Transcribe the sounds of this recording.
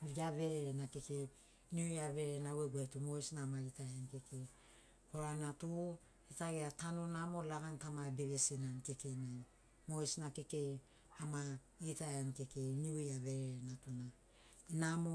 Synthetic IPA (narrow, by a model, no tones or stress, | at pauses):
iɡaβe̞ɾeɾenakeke | niujave̞ɾenaweɡuetumojsnaːmaitajankekʰe | hoɾanatu | etaɡeatanonamo̞laɡantamabeβesinanke̞kena | mojsnakeke̞ | ama | itaanke̞keniuaβeɾeɾenatuna | inamo